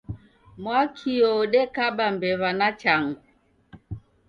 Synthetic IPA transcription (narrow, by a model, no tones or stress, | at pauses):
mwakʰiɔɔɗɛkaɓambɛβanat͡ʃaŋɡu